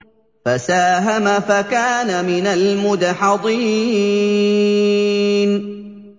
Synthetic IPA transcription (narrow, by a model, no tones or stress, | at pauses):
fasaːɦamafakaːnamɪnalmʊd̪aħɑd̪ˤiː | n